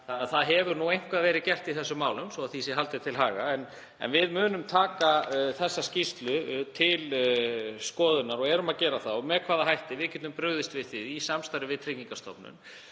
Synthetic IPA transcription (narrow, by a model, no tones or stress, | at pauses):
θanaðθaðɦɛvʏɾnuejŋ̥kvaðvɛːɾɪðcɛr̥t̪iθɛsːʏmaːwlʏmsɔaðθisɛɦalt̪ɪ̥t̪ʰɪlɦaːɣa̰ɛn | ɛ̰nvɪðmʏːnʏmt̪ʰaːkaθɛsːascist̪lʏt̪ʰɪl | skɔːðʏnaɾɔɣɛɾʏmaðcɛːɾaθawɔmɛkʰvaːðaɦajht̪ɪvɪðcɛt̪ʏmpɾœɣðɪst̪vɪðθiðisamst̪aɾʏvɪðt̪ʰɾɪciŋkast̪ʰɔ̰pnʏ̰n